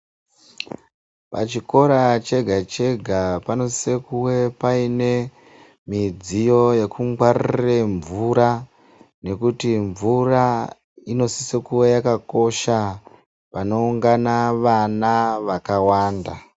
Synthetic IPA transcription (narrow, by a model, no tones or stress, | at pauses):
pa̰t͡ʃiko̞ɾat͡ʃe̞ɡʱat͡ʃe̞ɡʱapano̞sisekuwe̞paine̞ | mid͡zijo̞jekuŋwarireɱvuɾa | ne̞kutiɱvura | ino̞sisekuwe̞jakako̞ʃa | pano̞uŋɡanaʋanaʋakawaːnda